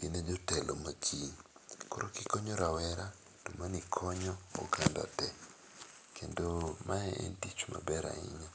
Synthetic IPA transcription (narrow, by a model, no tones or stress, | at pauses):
ɡined͡ʒɔtɛlomakʰiɲkɔɾokikɔɲoɾawɛɾa | tomanikʰɔɲɔ̰ːkanda̰tɛ | kʰendomaɛʔḛntit͡ʃma̰bɛɾa̰ɪ̰ɲɔ